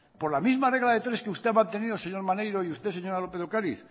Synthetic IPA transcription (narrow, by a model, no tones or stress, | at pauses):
po̞ɾlamizmare̞ɣlaðe̞t̪ɾe̞skeust̪e̞amãnt̪e̞niðose̞ɲo̞ɾmanejɾoiust̪e̞seɲo̞ɾalope̞ðokaɾiθ